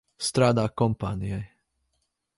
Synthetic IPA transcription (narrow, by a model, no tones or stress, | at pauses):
st̪ɾad̪akɔmpa̰niɛ